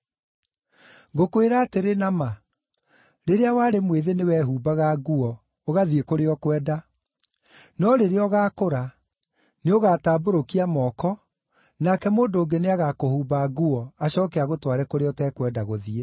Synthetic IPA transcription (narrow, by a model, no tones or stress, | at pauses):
ɡokoeɾaːteɾenama | ɾeɾeawaːɾemweðenewɛɦuːbaɣaɣuɔ | oɣaðiekoɾeɔkwɛːda | nɔɾeɾeɔɣaːkoɾa | neoɣaːtaːboɾokiamɔːkɔ | nakɛmoːndoːŋɡeneaɣakohuːbaɣuɔaɕɔːkɛaɣotwaɾɛkoɾeɔtɛːkwɛːdaɣoðie